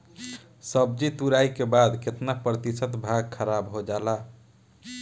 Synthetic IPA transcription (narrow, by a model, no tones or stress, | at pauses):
səb̚d͡ʒit̪uɾajkebad̪ket̪napɾət̪isət̪bʱaɡkʰəɾabɦod͡ʒala